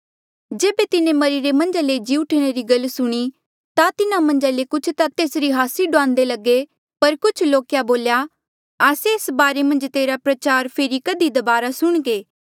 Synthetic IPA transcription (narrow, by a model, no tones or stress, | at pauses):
d͡ʒeːbet̪ɪnẽmɐɾiɾemɐ̃nd͡ʒaled͡ʒiːuʈʰɽ̃eɾiɡɐlsʊɽ̃i | t̪at̪ɪnamɐ̃nd͡ʒalekʊt͡ʃʰt̪at̪eːsɾiɦaːsiɖʊãːnd̪elɐɡe | pɐɾkʊt͡ʃʰloːkjaboːlja | aːseɪsbaːɾemɐ̃nd͡ʒt̪eːɾapɾɐt͡ʃaːɾpʰeːɾikɐd̪id̪ɐbaːɾasʊɽ̃ɡeː